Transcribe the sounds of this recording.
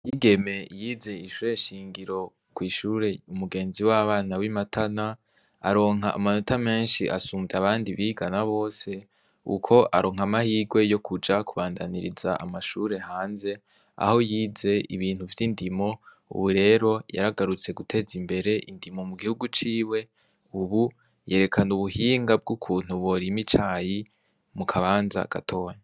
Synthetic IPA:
jiɡe̞me̞jiːze̞iʃuɾe̞ʃiːŋɡiɾo̞ | kwiːʃuɾe̞umuɡe̞ːnziwaβaːnawimatʰana | a̰ɾo̞ːŋɦaʔːmano̞tʰame̞ːnʃḭʔasuːmvaβaːndiβiːɡanaβo̞ːse̞ | ṵkʰo̞ʔaɾo̞ːŋ̥amahiːɡwe̞jo̞kʰud͡ʒakuβaːndaniɾḭzaʔa̰maʃuɾe̞haːnze̞ | a̰ho̞jiːze̞ʔiβiːn̥huvjindimo̞ | ṵβuɾe̞ːɾo̞ja̰ɾaɡaɾut͡se̞ɡutʰe̞ːzimbe̞ɾe̞ʔindimo̞muɡihuɡut͡ʃiːwe̞ | uβu | je̞ːɾe̞kʰanuβuhiːŋɡab̚ɡukʰuːn̥huβo̞ɾimit͡ʃaːji | mukʰaβaːnza̰ɡ̥a̰tʰo̞ːɲa

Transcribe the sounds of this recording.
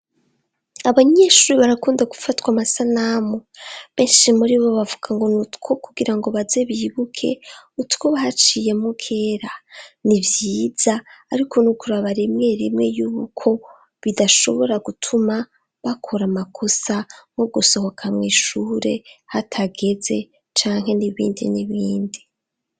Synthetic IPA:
aβaɲe̞ʃuːɾiβaɾakuːndaɡu̥fatwamasanamoβe̞ːnʃimuɾiβo̞βavuɡ̥aŋɡo̞nutkʰokuɡiɾaŋɡo̞βazeβiːβukʰe̞̰utko̞βahat͡ʃije̞mukʰe̞ːɾanivjiːz̥aːɾikʰo̞nukuɾaβaɾimŋe̞ːɾimŋe̞juːβukʰo̞ | βidaʃo̞̰βo̞ɾaɡutʰuma | βakʰoɾamakʰo̞samoɡuso̞ho̞kʰamŋiːʃuːɾe̞hatʰaɡe̞ze̞ | t͡ʃaːŋɦe̞niβḭːndḭniβiːndi

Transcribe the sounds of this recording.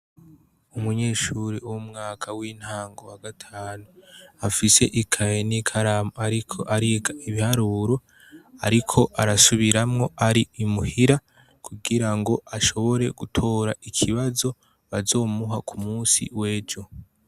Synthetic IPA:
umuɲe̞ːʃuɾiuwumŋaːkʰawiːn̥haːŋɡo̞waɡatʰaːnuafise̞ʔikʰajenikʰaɾamoaɾikʰo̞̰ʔaɾiɡaiβihaɾuːɾo̞ | aɾikʰo̞ʔaɾasuβiɾamŋo̞aɾiimuhiɾa | kʰuɡiɾaŋɡo̞ʔaʃo̞βo̞ɾe̞̰ɡutʰo̞ːɾaikʰiβazo̞ | βazo̞ːmuɦakʰumuːsḭwe̞ːd͡ʒo̞

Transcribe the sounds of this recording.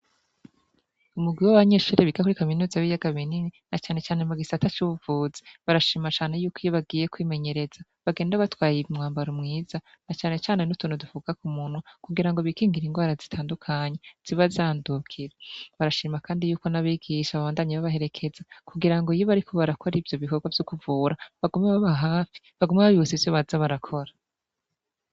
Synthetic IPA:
umuɡwiwaβaɲeːʃuːɾeβiɡakuɾikaminuːzaβijaɡaβinininat͡ʃaːne̞t͡ʃaːne̞muɡisatat͡ʃuβuvuzi̥βaɾaʃiːmat͡ʃaːne̞juːkijoβaɡiːje̞kwiːme̞ɲe̞ɾe̞zaβaɡe̞ːndaβatwaːjiβimŋaːmbaɾomŋiːza | nat͡ʃaːne̞t͡ʃaːne̞nutuːnhudufuɡakumunwakuɡiɾaŋɡo̞βikiːŋɡiɾiŋɡwaːɾazitʰaːndukʰaɲe̞z̥iβazaːndukʰiɾeβaɾaʃiːmakaːndijuːko̞naβiːɡiʃaβaβaːndaːɲeβaβahe̞ɾe̞kʰe̞zakuɡiɾaŋɡoijoβaɾikʰo̞βaɾakʰo̞ɾivjo̞βiko̞ɡwavjokuvuːɾaβaɡumeβaβaɦaːfi̥ | βaɡumaβaβiut͡sivjoβazaβaɾakʰo̞ɾa

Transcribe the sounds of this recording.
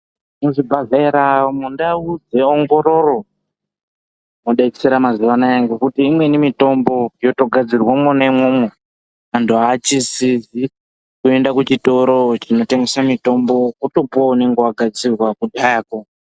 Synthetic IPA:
noʐibʱaɮaiɾamundaud͡ze̞oŋɡo̞ɾo̞ro̞ | moɗaiki̥seɾamaziʋanajaŋɡekutiːmwe̞nimito̞mbo̞jo̞to̞ɡʱad͡zirwamonaimwomo | antuat͡ʃisizi | kue̞ndakut͡ʃito̞ɾo̞t͡ʃino̞te̞ŋɡesamito̞mbo̞kuto̞pone̞ŋɡewaɡʱad͡zirwakudʱajako

